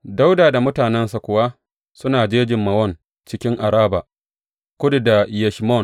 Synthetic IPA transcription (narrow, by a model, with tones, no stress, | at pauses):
da˦wdaː˨da˨mʊ˦taː˨nɛ˦nsa˨kʷʊ˨wa˦ | sʊ˦naː˨d͡ʒeː˦d͡ʒɪ˨mːɐ˨wɔ˦˨n | t͡ʃɪ˦kʲɪ˦ŋʔa˨ɾaː˦ba˨ | kʷʊ˦dda˨jɛ˨ʃmɔ˦˨n